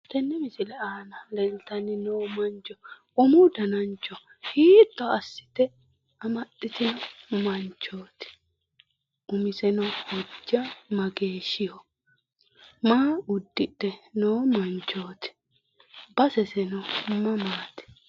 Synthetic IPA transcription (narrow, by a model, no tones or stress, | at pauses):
t̪ɛnːɛmɪsɪlɛaːnɐlɛlt̪ɐnɪnoːmɐnt͡ʃɔ | ʊmʊd̪ɐnɐnt͡ʃːɔ | hiːt̪ːɔɐsːɪ̥t̪ɛ | ɐmɐt̪ʼːɪt̪ɪnɐmɐnt͡ʃːoːt̪ɛ̥ | ʊmɪsɛnɐhɔd͡ʒːɐmɐɡeːʃɪjɔ | maːʊd̪ːɪt̪ːɛnoːmɐnt͡ʃːoːt̪ɛ̥ | bɐsɛsɛnɐmɐmaːt̪ɛ̥